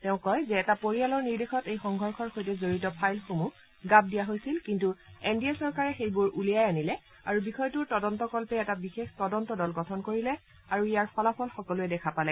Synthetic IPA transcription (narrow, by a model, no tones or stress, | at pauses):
tɛʊ̃kɔjzɛːtapoɹialɔɹniɹdexɔtejxɔŋɡʱɔɹxʰɔɹxojtɛzoɹitɔpʰajlxomu | ɡab̚dijaɦojsilkintuendiasɔɹkaɹɛxejbʊɹʔulijajanilɛ | aɹubixɔjtʊɹtɔdɔntɔkɔlpɛɛtabixextɔdɔntɔdɔlɡɔtʰɔnkoɹilɛ | aɹuijaɹpʰɔlapʰɔlxɔkɔluɛdɛkʰapalɛ